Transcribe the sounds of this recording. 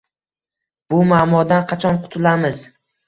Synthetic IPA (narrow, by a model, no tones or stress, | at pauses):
b̥ʊmaːmɒd̪anqʰɑt͡ʃʰɒnqʰʊ̥t̪ʰʊlamɪz